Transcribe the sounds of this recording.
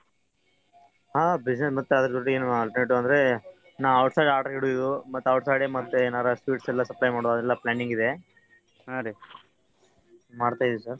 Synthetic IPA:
ɦaːbid͡ʒnesmɐt̪ːuɐd̪ɐɾɐd͡ʒ̪oʈːueːnuɐlʈɐɾneʈːuɐnd̪ɐɾe̞ | naːɐwʈsajɖaːʈɐɾɡiɽuid̪umɐt̪ːɐwʈsajɖemɐt̪ːenaːɾɐsʋiːʈsɛlːɐsɐplɐjmaːɽoɐd̪ɛlːɐplaːniŋɡid̪e | oɽi | maːɖt̪aːjd̪usɐɾ

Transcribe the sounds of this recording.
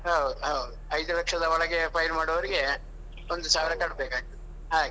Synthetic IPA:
ɦɐwd̪uɦɐud̪uɐjd̪uʋɐkʂɐd̪ɐʋɔɭɐɡepʰɐjɾmaːɽɔʋɐɾiɡe̞ | ond̪usaːʋɾɐkɐɽbeːkaːɡit̪ːɐ | ɦaːɡ

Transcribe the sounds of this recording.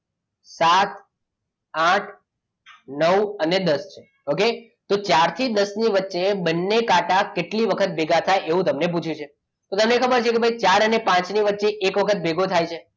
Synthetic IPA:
sat̪ | ãʈʰ | nəʋəned̪əst͡ʃʰe | oke | t̪ot͡ʃaɾt̪ʰid̪əsniʋətːʃebənːekaʈakeʈliʋəkʰət̪̚bʱeɡat̪ʰajeʋũt̪əmnep̬ut͡ʃʰjũt͡ʃʰe | t̪ot̪əmnekʰəbəɾt͡ʃʰekebʱait͡ʃaɾənepãt͡ʃniʋətːʃeʔːkʋəkʰət̪̚beɡʱot̪ʰajt͡ʃʰe

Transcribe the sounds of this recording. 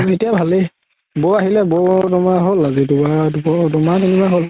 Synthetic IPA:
etijabʱale | boaɦilɛbodɔmaɦolazitubabɔdɔmatinibaɦol

